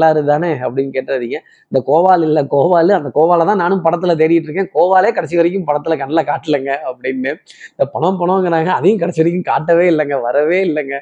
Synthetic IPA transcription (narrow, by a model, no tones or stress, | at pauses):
aːɪɾɯt̪aːneːɐpːɐɽɪnːkeːʈːɾɐðiːŋɡɐ | ɪnd̪ɐkoːʋaːlɪlːɐkoːʋaːlɯɐnd̪ɐkoːʋaːlɐt̪ãːnaːnɯmpɐɽɐt̪ːɪlɐt̪̬ɛɾɪjɪʈːɾɯk̬ːẽːkoːʋaːleːkɐɽɛt͡ʃːɪʋɐɾɪk̬ʲːɯ̃mpɐɽɐt̪ːɪlɐkɐɳːɐlakaːʈːɪlɐŋɡɐɐpːɐɽɪnːɯɪnd̪ɐpɐɳɐpɐɳɐʋŋɡɐɾaːŋɡɐɐðɐjʊ̃kɐɽɛt͡ʃːɪʋɐɾɪk̬ʲːɯmkaːʈːɐʋeːɪlːɐŋɡɐʋɐɾɐʋeːɪlːɐŋɡɐ